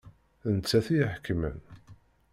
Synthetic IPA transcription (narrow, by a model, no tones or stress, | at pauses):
θənt͡sːæθijħkːmə̰n